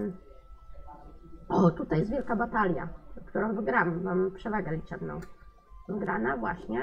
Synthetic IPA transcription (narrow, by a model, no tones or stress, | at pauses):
ɔt̪ut̪ajɛsvjɛlkabat̪alʲja̰kt̪uɾɔ̃w̃vɘɡɾamvampʂɛvaɡalʲit͡ʂɛmnɔ̰̃w̃ | vɘɡɾanavwa̰ɕɲɛ